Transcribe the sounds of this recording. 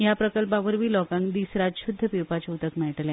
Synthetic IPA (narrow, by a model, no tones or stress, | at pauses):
ɦjapɾəkəlp̬aʋəɾʋiːlɔkãŋkd̪isɾaɕud̪ʱːəpiwpat͡ɕet̪əkmɛɭʈlẽ